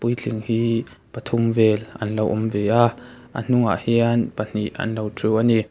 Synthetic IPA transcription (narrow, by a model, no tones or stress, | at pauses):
pujt͡ɬʰiŋhiː | pat̪ʰʊmvɛlʔɐ̰nlowʔʊmvɛʔaʔa̰n̥ʊŋa̰ʔhianpan̥iʔɐ̰nlowtʰruwʔani